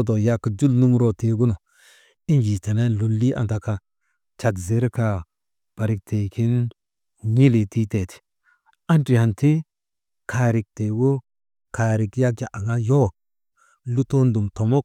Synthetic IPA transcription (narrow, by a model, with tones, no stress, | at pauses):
do˨ja˦ki˨d͡ʒu˦lnu˦ŋɾo˨te˨ɡu˦no˨ | i˦nd͡ʒi˨te˨na˦lu˨lːi˦ʔa̰˨nta˨ka˨ | t͡ʃa˨kze˨˦ɾka˨ | b̥a˨ɾi˨k̚te˨ki˦n | ŋi˦li˨ti˦te˨ti̥˨ | a˦nti˨ha˨nti˦ | kʰa˨ɾi˨k̚te˨ɡo˦ | ka˨ɾi˨kja˦k̚d͡ʒa˨ʔa˨ŋa˦jo˦˨ | lu˦to˦ndu˨mto˨mo˦k